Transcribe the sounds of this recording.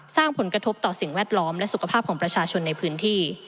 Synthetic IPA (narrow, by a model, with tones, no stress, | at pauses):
saː˥˩ŋpʰo˩˦nkɾa˧t̪ʰo˦˥p̚t̪ɔː˨˩si˨˩ŋwɛː˥˩t̪̚lɔː˦˥mlɛ˦˥su˨˩kʰa˧pʰaː˥˩kʰɔː˩˦pɾa˧t͡ɕʰaː˧t͡ɕʰo˧nːa˧jpʰɯː˦˥nt̪ʰiː˥˩